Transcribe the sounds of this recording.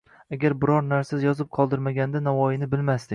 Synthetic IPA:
aɡʲaɾbɪɾɒɾnaɾsɪzjɒzɪp̚qʰɒlˠd̪ɪɾmaɡʲand̪anavɒjɪnɪbɪlmast̪ɪkʲ

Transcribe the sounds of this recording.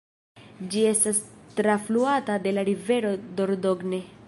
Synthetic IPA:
d͡ʒie̞stast̪ɾafluatade̞laɾive̞ɾo̞do̞ɾdo̞ɡne̞

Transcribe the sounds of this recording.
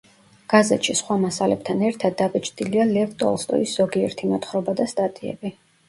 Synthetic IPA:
ɡ̥azɛt̪ʃisχwamasalɛb̚t̪ʰanɛɾt̪ʰad̪ːabit͡ʃʰʼd̪ilialɛvt̪ʼɔ̰lˠst̪ʼɔ̰isz̥ɔɡiɛɾt̪ʰimɔt̪ʰχɾɔbad̪ast̪ʼat̪ʼiɛ̰bi

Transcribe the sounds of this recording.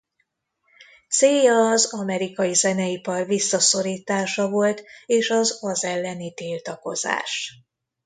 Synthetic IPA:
t̪seːjɒːzɒmɛɾikɒjizɛnɛipɒrvisːɒso̞ɾiːt̪aːʃɒvo̞lt̪eːʃɒzɒzɛlːɛnit̪ilt̪ɒko̞̰za̰ːʃ

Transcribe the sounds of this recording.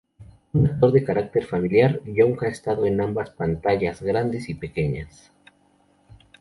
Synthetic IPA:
unak̚t̪o̞ɾðe̞kaɾak̚t̪e̞ɾfamiljaɾʎoŋxaest̪aðo̞e̞nambaspant̪aʝazɣɾand̪e̞sipe̞ke̞ɲas

